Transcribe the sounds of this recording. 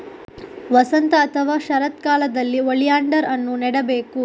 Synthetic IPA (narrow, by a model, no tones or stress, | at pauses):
ʋɐsɐnt̪ɐːt̪ʰɐʋaːʃɐɾɐt̪kaːlɐd̪ɐlːiʋɐɭijaːɳɖɐɾɐnːunɛɽɐbeːku